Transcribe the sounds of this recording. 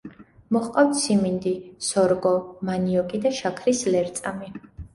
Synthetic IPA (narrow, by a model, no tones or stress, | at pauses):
mɔχqʼawt̪sʰimind̪isɔɾɡɔmaniɔkʼid̪aʃakʰɾislɛɾt̪sʼami